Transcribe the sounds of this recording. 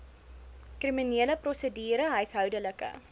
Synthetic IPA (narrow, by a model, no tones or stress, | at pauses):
kriminiələprɔsədiːɾəɦəjsɦœwdələkə̰